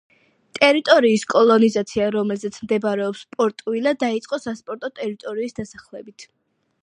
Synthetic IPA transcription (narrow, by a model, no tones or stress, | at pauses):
t̪ʼɛɾit̪ʼɔɾiːskʼɔlˠɔnizat̪sʰiaɾɔmɛlzɛt̪sʰmd̪ɛbɾɛɔpspʼɔɾt̪ʼwilad̪ait̪sʼqʼɔsaspʼɔɾt̪ʼɔt̪ʼɛɾit̪ʼɔɾiːsd̪asaχlɛbit̪ʰ